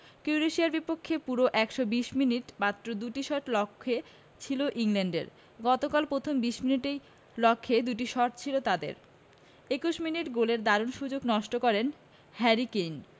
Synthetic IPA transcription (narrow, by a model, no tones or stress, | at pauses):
kiɾeʃiaɾbipokʰːepuɾoʔɛkʃobiʃminiʈmat̪ːɾod̪uʈiʃɔʈlɔkʰːe | t͡ɕʰiloʔiŋleɳɖḛɾ | ɡɔt̪okalpɾot̪ʰombiʃminiʈej | lɔkʰːed̪uʈiʃɔʈt͡ɕʰilot̪ad̪ḛɾ | ekuʃminiʈɡoleɾd̪aɾonʃud͡ʑoɡnɔʃʈokɔɾen | hɛɾiken